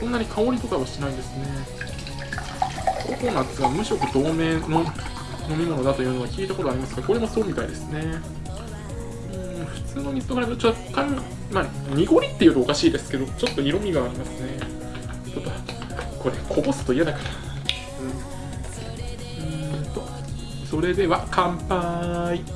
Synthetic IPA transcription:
sõnːaɲ̟ikʰao̞ɾʲit̪o̞kaβaɕi̥t̪e̞naid̪e̞sɨne̞ | ɾok̪oːnaːt̪esɨamɯ̟ɕiɾo̞kod̪o̞ːme̞ːno | no̞mʲimo̞no̞d̪at̪o̞jɯ̟noakʲiːt̪ako̞t̪o̞aɾʲimasɨ̥ɡako̞ɾe̞mo̞so̞ːmʲit̪aid̪esɨne̞ | ɯ̃ːɸɯ̟̥t͡sɨːno̞ɲ̟ʲiɨt̪oɡaɾat̪ot͡ɕot̪ːokaɲːi | maɲ̟iɡo̞ɾʲit̪ːe̞jɯ̟t̪oːkaɕiːd̪e̞sɨ̥ke̞d̪o̞t͡ɕo̞t̪ːo̞iɾo̞mʲiɡaːɾʲimasɨne̞ | t̪ot̪ːo | ko̞ɾe̞kʰo̞bo̞sɨ̥t̪o̞ijad̪akḁɾa | ɯ̟̃ɴ | ɯ̃t̪o̞ | so̞ɾe̞d̪e̞βakʰãmpai

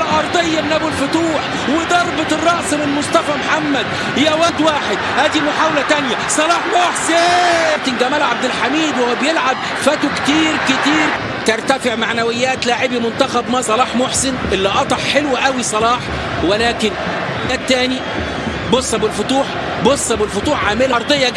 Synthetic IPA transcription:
lʕɑɾˤd̪ˤejːɑmnʔæbelfʊt̪uːħ | wɪd̪ɑɾˤbet̪ɨrˤːɑʔsˤmɪlmosˤt̪ˤɑfæmħamːæd̪̚ | hɪjæwæd̪waːħed̪̚hæːd̪imʊħaːwlæt̪ænjæsˤɑlɑːħmoħset̪ɪnɡæmæːlʕab̚d̪ɪlħamiːd̪wehowæbjelʕab̚ | fæt̪ukt̪iːɾkɪt̪iːɾ | t̪eɾˤt̪æfeʕmaʕnæwɪjːæːt̪laːʕɪbimʊnt̪æxæbmæːsˤɑlɑːħmoħsɪnʔelːiʔɑt̪ˤɑħħelwʔæwisˤɑlɑːħ | welæːkɪn | d̪æːd̪̚ːæːni | bosˤːɑbɪlfot̪ˤuːħ | bosˤːɑbɪlfot̪ˤuːħʕaːmɪlæɑɾˤd̪ˤejːɑ

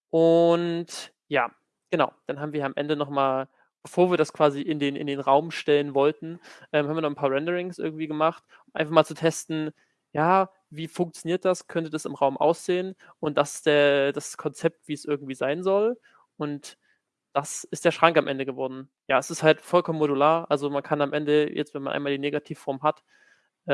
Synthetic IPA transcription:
ʔʊnt | jaː | ɡ̥ənaʊd̥anɦaːbm̩viːɐjaamʔɛ̰ndənɔχmaːl | b̥əfoːɐviːɐdaskv̥aːziʔɪndeːnɪ̰ndeːnʁaʊmʃtɛlənvɔltn̩ʔɛːmhaːmvːɐnɔχnpʰaːɐʁɛndəʁɪŋsʔɪ̰ɐɡŋ̩tv̥iːɡəmaχt | ʊmʔaɪnfaχmaːlt͡sutʰɛstn̩ | jaː | viːfʊŋk̚t͡sjoniːɐt̚d̥askʰœntədasɪmʁaʊmʔa̰ʊsz̥eːən | ʔʊnt̚d̥asɪsd̥eːɐd̥askʰɔnt͡sɛp̚tv̥iːɛsʔɪɐɡŋ̩tv̥iːzaɪnzɔl | ʔʊnt | d̥asɪst̚d̥eːɐʃʁ̥aŋkamʔɛndəɡəvɔɐdn̩ | jaːɛsɪsthaltfɔlkʰɔməmoɾulaːɐʔalzomankʰanamʔɛndəjʔɛ̰t͡stv̥ɛnmanʔa̰ɪmaːldiːneːɡatʰiːfːɔɐmɦat | ʔɛ

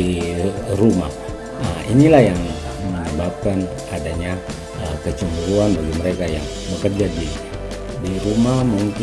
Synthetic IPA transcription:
iruma̰h | əinilahjaŋməɲəbap̚kan | adaɲa | əkət͡ʃumuɾuanbaɡiməɾekajaŋ | bəkərd͡ʒadi | diɾumahmuŋk

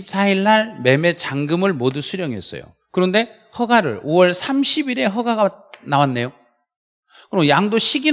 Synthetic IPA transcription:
ip̚s͈ʰaiɭːaɭme̞me̞t͡ɕaŋɡɯmɯɭmodusʰuɾjʌŋiḛs͈ʌ̰jo̰ | kɯɾʌnde̞ | hʌɡaɾɯ̰ɭowʌɭsʰamɕʰibiɾe̞ɦʌɡaɡanawanːe̞jo | kɯɾmjaŋdoɕʰiɡi

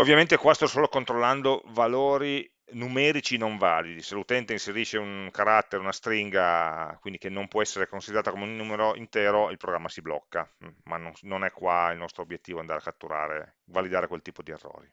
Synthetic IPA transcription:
ovːjament̪ekwast̪ɔsoːlokont̪ɾolːand̪ovaloːɾi | numɛːɾit͡ʃinoɱvaːlid̪iselut̪ɛnt̪einseɾiːʃeuŋkaɾat̪ːeɾunast̪ɾiŋɡakwind̪ikenːompwɔɛsːeɾekonsid̪eɾaːt̪komeunːuːmeɾoʔḭnt̪ɛːɾoilpɾoɡɾamːasiblɔ̰kːamanonnonɛkːwailnɔst̪ɾoːbjet̪ːiːvoand̪aːɾeakːat̪ːuɾa̰ːɾḛ | valid̪aːɾekwelt̪iːpod̪iḛrːo̰ːɾi

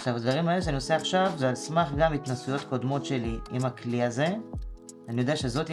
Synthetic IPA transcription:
ʃavad̪vaʁimaeleʃanio̞seaχʃavzealsmaχɡamit̪nasujo̞t̪ko̞d̪mo̞tʃe̞liimakliaze̞ | anijodeaʃe̞zo̞t̪

